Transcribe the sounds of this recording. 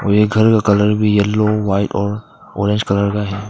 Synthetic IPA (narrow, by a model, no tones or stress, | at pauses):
ɔjeɡʱɐɾkakɐləɾbʱijɛlːoʋaːɪʈɔːɾ | ɔ̰ːɾẽnd͡ʒkɐləɾkaɦɛː